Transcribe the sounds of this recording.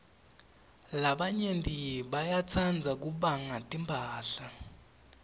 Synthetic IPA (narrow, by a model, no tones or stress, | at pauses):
laɓaɲentʼiɓajat͡sʰand͡zʱak̬uɓaŋatʼimbʱaːɬa